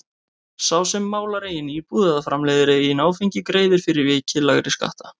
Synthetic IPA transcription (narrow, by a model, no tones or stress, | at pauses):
saːwsɛmːaːwlaɾeːjɪnipuːðaðafɾamlɛːjðɪɾɪinaːwfijɲcɪkɾeːjðɪɾ̥fɪɾɪɾvɪːcʰɪlːaɣɾɪska̰ht̪a